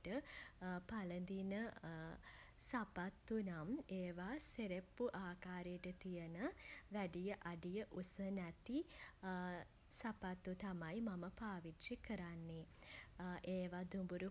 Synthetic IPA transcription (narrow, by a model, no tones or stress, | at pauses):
ʈəpalənd̪inə | sapat̪ːunameːʋaseɾepːuʔaːkaːɾejəʈət̪ijənəʋæɖijəʔaɖijəʔusənɛt̪i | sapat̪ːut̪amajmaməpaːʋitʃikəɾanːe | ʔeːʋad̪umbuɾu